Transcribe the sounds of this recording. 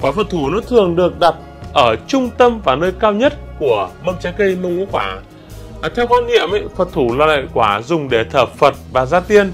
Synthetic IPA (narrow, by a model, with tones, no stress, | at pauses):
kwaː˧˩fə˨˩t̚t̪ʰu˧˩nɔ˨˦t̪ʰɨ˨˩əŋɗɨ˨˩ək̚ɗa˨˩t̚ | ʔəː˧˩t͡ɕʊ˧ŋ͡mt̪ə˧mvaː˨˩nəː˧jkaː˧wɲə˦˥t̚ku˧˩əmə˧mt͡ɕaː˨˦kə˧jmə˧wŋʔu˧˥kwaː˧˩˦ | t̪ʰɛ˧wkaː˧nŋḭ˧˨əmʔa̰˧˦jfə˨˩t̚t̪ʰu˧˩laː˨˩la̰ː˧˨jkwaː˧˩zʊ˨˩ŋ͡mɗe˧˩t̪ʰəː˧˩p̚fə˨˩t̚vaː˨˩zaː˧t̪i˧ən